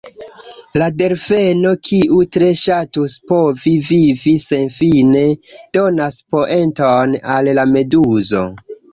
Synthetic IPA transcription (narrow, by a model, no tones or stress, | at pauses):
lade̞ɾfe̞no̞kʰiʔutɾe̞ʃatuspovivivise̞nfine̞d̥onaspo̞ʔe̞ntonallame̞duzo̞̰